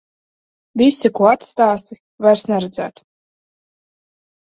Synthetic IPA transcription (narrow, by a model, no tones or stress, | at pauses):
vʲisʲikuɔat̪st̪aːst̪ | vajɾsnɛɾɛd̪zæ̰ːt̪